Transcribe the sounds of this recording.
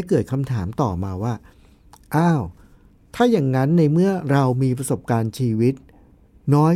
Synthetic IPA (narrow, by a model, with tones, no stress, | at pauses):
jkɤː˨˩t̪̚kʰa˧mt̪ʰaː˩˦mt̪ɔː˨˩maː˧waː˥˩ | ʔaː˥˩w | t̪ʰaː˥˩jaː˨˩ŋːna˦˥nːa˧jmɯ˥˩ɐɾa˧wmiː˧p̬ɾa˧so˨˩p̚kaː˧nt͡ɕʰiː˧wi˦˥t̪̚ | nɔː˦˥